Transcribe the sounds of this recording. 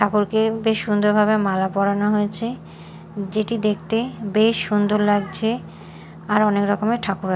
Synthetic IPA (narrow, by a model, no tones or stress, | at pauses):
ʈʰakuɾkebeʃːund̪oɾbʱabemalapɔɽanaɦojet͡ɕʰe | d͡ʑeʈid̪ek̚ʰt̪ebeʃːund̪oɾlaɡt͡ɕʰe | aɾɔnekɾɔkomeʈʰakuɾ